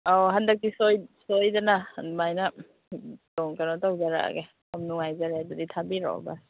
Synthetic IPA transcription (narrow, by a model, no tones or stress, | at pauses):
aɦandak̚tisojsojdananmajna | tɔŋkanɔtawzaɾa̰a̰ɡe | amnuŋajzaɾeaduditʰabiɾɔ̰w̰ba̰